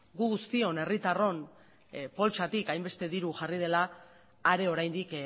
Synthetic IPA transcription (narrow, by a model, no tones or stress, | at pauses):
ɡuɣust̪io̞ne̞rit̪aro̞n | po̞lt͡ʃat̪ikajmbe̞st̪e̞ðiɾuʝarið̞e̞laː | ɾe̞o̞ɾajnd̪ik